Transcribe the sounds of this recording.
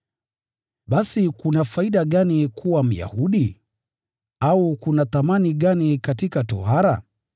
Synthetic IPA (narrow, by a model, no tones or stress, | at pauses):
ɓasikunafaiɗaɠanikʰuwam̩ja̰huɗi | aukunaθamaniɠanikatikatɔ̰haɾa̰